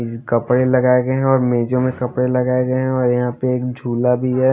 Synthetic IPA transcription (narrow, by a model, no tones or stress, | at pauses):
kɐpɽelɐɡaːeɡeɦɛ̃ɔːɾmeːd͡ʒõmẽkɐpɽelɐɡaːeɡeɦɛ̃ɔːɾjɐɦãpeeːk̚d͡ʒʱuːlabʱiɦɛ